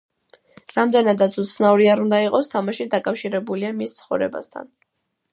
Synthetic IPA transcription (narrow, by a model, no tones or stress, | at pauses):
ɾamd̪ɛnad̪at̪sʰut̪sʰnauɾiaɾund̪aiqʼɔst̪ʰamaʃid̪akʼafʃiɾɛbuliamist̪sʰχɔvɾɛ̰ba̰st̪ʰa̰n